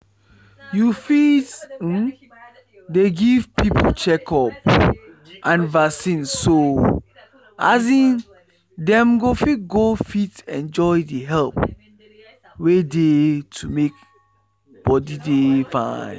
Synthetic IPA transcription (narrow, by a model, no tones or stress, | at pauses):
jufit̩ | deɡivpʰipʰot͡ʃɛkɔp̚ | ʔãnvasĩnsso | a̰zĩn | dɛ̃mɡofit̚ɡofitɛ̃nd͡ʒɔjdəɦɛlp | wedetʰumek̚ | b̥ɔdidefã̰n